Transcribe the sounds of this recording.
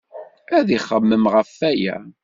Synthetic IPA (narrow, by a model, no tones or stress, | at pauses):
æðiχːəmːəmʁəfːæjæ̰